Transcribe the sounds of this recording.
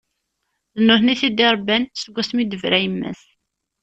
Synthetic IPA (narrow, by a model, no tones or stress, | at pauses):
ðənːʊθniθid̪iɾˤbænsəɡʷːæsmid̪əvɾæjəmːæ̰s